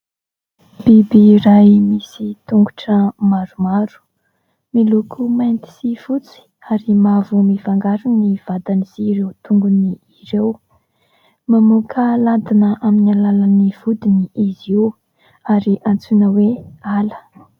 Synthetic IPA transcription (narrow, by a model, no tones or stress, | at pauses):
b̥ibirajmisit̪uŋɡuʈ͡ʂəmaɾumaɾu̥ | milukʰumajnt̪i̥siv̥ut͡si̥ | aɾimavumivaŋɡaɾuniv̥ad̪aniz̥iɾewt̪uŋɡuniːrew | mamukʰəlad̪inəʔaminalalaniv̥ud̪iniʔizew | aɾiʔant͡sunəwealə̥